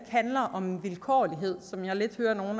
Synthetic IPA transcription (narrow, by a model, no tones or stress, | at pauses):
kʰhænlɐʔɒ̽mʋilkʰɒ̰ːliɦe̝ð̞̰ˠsɒ̽mjɑ̈ɪle̝d̥høːɐno̝ːn̩